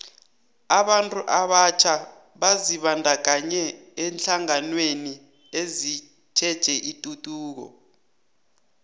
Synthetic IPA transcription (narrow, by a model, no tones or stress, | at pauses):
aɓantʼuʔaɓat͡ʃʰa | ɓaziɓandʱak̬aɲɛɛnɬʰʼaŋanweni | ezi | t͡ʃʰɛd̥ʒ̥ʱɛʔitʼutʼuːk̬ɔ̰